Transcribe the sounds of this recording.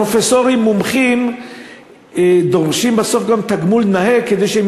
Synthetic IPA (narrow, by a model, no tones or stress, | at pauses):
ofesoʁimːumχim | d̪oʁʃimbaso̞fɡamt̪aɡmulnaheked̪ejʃeem